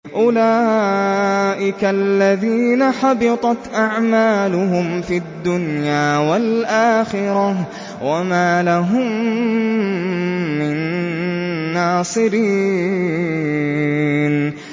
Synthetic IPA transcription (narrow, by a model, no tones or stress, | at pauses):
ʔʊlaː | ʔɪkalːaðiːnaħɑbɪt̪ˤɑt̪ʔaʕmaːlʊɦʊmfiad̪ːʊnjaːwalʔaːxɪɾɑ | wamaːlaɦʊm | ɪnː | aːsˤɨɾiː | n